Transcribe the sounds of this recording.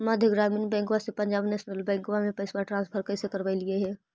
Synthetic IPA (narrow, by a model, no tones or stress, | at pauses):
məd̪ʱjəɡɾaːmiːnbɛ̃ːŋkwasepɐ̃ɲd͡ʒaːbnesnəlbɛ̃ːŋkʋamẽpɛsbaʈɾãːnspʰəɾkəsekəɾbailieɦɛː